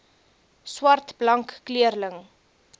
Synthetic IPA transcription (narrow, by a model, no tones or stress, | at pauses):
swɐrtblɐŋkːliərləŋ